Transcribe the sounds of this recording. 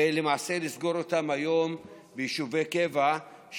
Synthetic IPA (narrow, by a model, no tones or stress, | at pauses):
elemaːse̞lisɡo̞ɾotamhajo̞m | bejiʃuvejke̞va | ʃ